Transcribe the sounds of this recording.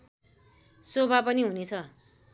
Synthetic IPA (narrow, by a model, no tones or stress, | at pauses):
sobʱapʌniɦunet͡sʰʌ